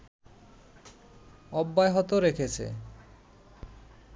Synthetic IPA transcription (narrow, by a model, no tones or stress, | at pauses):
ɔbːaeɦɔt̪oɾekʰet͡ɕʰḛ